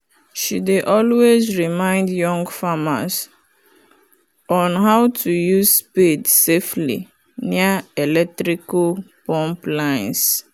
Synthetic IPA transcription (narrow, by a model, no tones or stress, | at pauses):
ʃideʔɔlwezɹimãɪ̃ndjɔ̃ŋɡfama̰s | ɔ̃nɦawtʰujuzspedseflḭ | niaelɛk̚tɾikapɔ̃mplãɪ̃ns